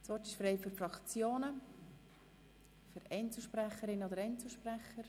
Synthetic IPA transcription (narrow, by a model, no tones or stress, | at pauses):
sʋɔrtɪʃfɾeɪfyɾfɾɑkt͡sjoːnə | fyɾɛnt͡sl̩ˠʃpɾæχəɾɪnəod̪əɾɛnt͡sl̩ˠʃpræχəɾ